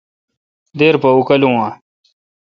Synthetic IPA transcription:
d̪eːɾpɐukɐlũːãː

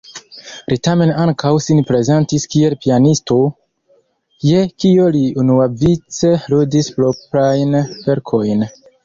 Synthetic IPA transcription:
litame̞naŋkʰawsinpɾe̞ze̞ntiskie̞lpianisto̞ | jekio̞liunuavit͡se̞ludispɾopɾajnve̞ɾkʰo̞jn

